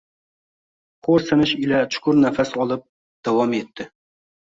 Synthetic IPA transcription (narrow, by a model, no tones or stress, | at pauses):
qʰoɾsɪnɪʃɪlat͡ʃʰʊ̥kʰʊɾnafasɒlˠɪp̚ | d̪̥awɒme̞t̪ʰːɪ